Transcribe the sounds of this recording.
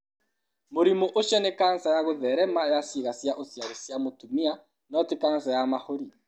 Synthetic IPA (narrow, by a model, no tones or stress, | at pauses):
moɾimoʔoʃɛnekansajaɣoðɛɾɛmajasiɣasiaʔosiaɣesiamotumia | nɔtɪkansajamahoɾi